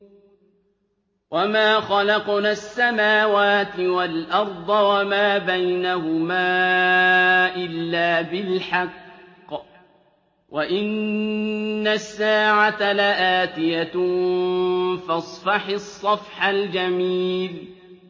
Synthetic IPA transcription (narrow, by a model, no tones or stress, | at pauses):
wʔamaːxɑlɑqnaːsːamaːwaːt̪ɪwalʔɑɾˤd̪ˤɑwamaːbajnaɦʊmaː | ʔɪlːaːbɪlħɑqː | waʔɪnː | asːaːʕat̪alaʔaːt̪ɪja | fɑsˤfɑħasˤːɑfħald͡ʒamiːl